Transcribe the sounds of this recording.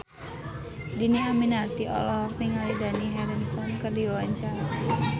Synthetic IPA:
diniaminart̪iʔɔ̰lɔhpiŋalidaniɦɛɾɛnsɔnkərdiwawaɲt͡ʃaɾa

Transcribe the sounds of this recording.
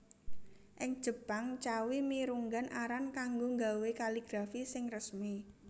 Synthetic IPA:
ʔɪŋd̥ʒ̥ə̤paŋt͡ʃawimiɾuŋɡanaɾankaŋɡoŋɡawekaliɡ̥ɾafisɪŋrəsmi

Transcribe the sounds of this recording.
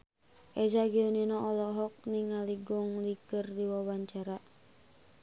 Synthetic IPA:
ʔɛd͡ʒaɡiuninɔʔɔlɔɦɔk̚niŋaliɡɔŋlikərdiwawaɲt͡ʃaɾa

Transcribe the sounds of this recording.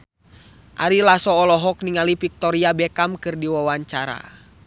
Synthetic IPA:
ʔa̰ɾilasɔːlɔɦɔk̚niŋalipik̚t̪ɔɾiabɛkamkɨrdiwawaɲt͡ʃaɾa̰

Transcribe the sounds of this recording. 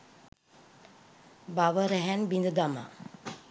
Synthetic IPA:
baʋəɾɛɦɛnbind̪əd̪ama̰

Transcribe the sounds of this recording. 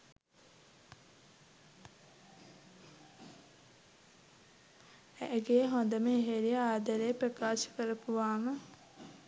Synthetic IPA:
æʔɡeːɦond̪əməeɦeɾijəaːd̪aɾejpɾəkaːʃə̥kəɾəpuʋaːmə

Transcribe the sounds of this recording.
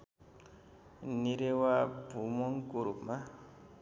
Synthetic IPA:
niɾewabumɔŋkuɾuma

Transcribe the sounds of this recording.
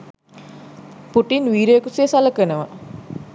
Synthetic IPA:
puʈinʋiːɾeekuseːsaləkənəʋə

